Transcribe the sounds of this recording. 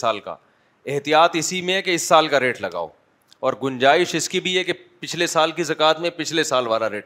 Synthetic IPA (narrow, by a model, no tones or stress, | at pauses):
aːlka̰ | ɛɦt̪ijaːt̪ɪsimẽkeɪsːaːlkaɾeːʈlɐɡa̰ːo̰ː | ɔːɾɡʊ̃nd͡ʒaːɪʃɪskibʱiɛkepɪt͡ʃʰlesaːlkizɐkaːt̪mẽpɪt͡ʃʰlesaːlʋaːlaɾeːʈ